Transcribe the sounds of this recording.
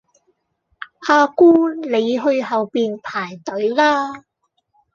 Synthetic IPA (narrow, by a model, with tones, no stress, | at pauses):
ʔaː˧kuː˥le˨˧jɦɵ˧ɥɦɐ˨wpiː˨npʰaː˨˩jt̪ɵ˨˥ɥlaː˥